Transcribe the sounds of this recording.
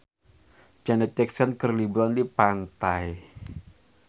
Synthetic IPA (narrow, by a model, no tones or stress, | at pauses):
d͡ʒanɛt̪̚t͡ʃɛksənkərlibɾɔndipant̪aj